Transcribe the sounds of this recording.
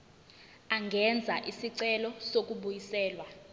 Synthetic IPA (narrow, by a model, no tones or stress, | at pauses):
aŋɡʱɛnd͡zʱaʔisiǀɛlɔsok̬ʼuɓujisɛːlwa